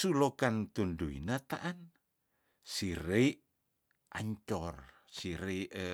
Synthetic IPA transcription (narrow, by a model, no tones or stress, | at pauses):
sulokant̪unduḭnat̪aʔan | siɾe | ʔaɲt͡ʃɔr | siɾe